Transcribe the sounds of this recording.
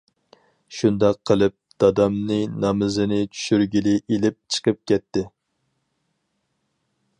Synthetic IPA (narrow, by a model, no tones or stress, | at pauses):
ʃund̪ɑqʰːəlˠɨp̚d̪̥ɑd̪ɑmnɨnɑmɨzɨnɪt͡ʃʰy̥ʃyɾɡʲilɪʔelɪp̚t͡ʃʰə̥qʰəp̚kʲɛt̪ːɪ